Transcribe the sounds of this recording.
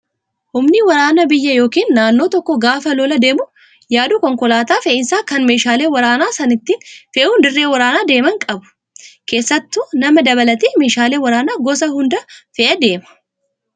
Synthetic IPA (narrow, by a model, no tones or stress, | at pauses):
hʊmnɪwɐɾaːnɐbɪjːɐjo̞ːkiːnːaːnːo̞ːt̪ɔkːɔɡaːfɐlɔːlɐd̪e̞ːmʊ | jaːd̪ʊkɔŋkɔlaːt̪aːfeʔɪnsaːkɐnmeːʃaːle̞ːwɐɾaːnaːsɐnɪt̪ːinfɛʔhʊnd̪ɪrːeːwɐɾaːnaːd̪e̞ːmɐŋkʼɐbʊ̥ | ke̞ːsːɐt̪ːuːnɐmɐd̪ɐbɐlɐt̪iːme̞ːʃaːleːwɐɾaːnaːɡɔs̬ɐhʊnd̪ɐfɛʔɐd̪e̞ːmɐ̥